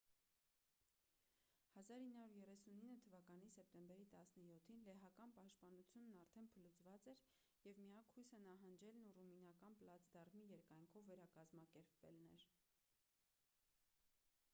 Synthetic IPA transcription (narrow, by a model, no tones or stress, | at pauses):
hɑzɑɾinːhɑuɾjɛrɛsuninːət̪ʰəvɑkɑnisɛp̚t̪ɛmbɛɾit̪ɑsnəjɔt̪ʰinlɛɦɑkɑnpɑʃt̪̚pɑnut͡sʰjunːɑɾt̪ʰɛnpʰəlut͡svɑt͡sɛɾ | jɛvmijɑkʰhujsənɑɦɑnd͡ʒɛlnuruminɑkɑnpəlɑt͡sd̪ɑrmijɛɾkɑjŋkʰɔvːɛɾɑkɑzmɑkɛɾpvɛ̰lnɛɾ